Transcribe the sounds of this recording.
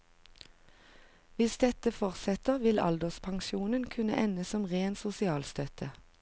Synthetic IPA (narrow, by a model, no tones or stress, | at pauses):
ʋɪsd̪ɛt̪əfɔʁsɛt̪əʁʋɪlɑ̰ld̪əspʰɑŋʃuːnənkʰʉnəʔɛnəsɔmʁeːnsʊsɪɑːlst̪œt̪ʰə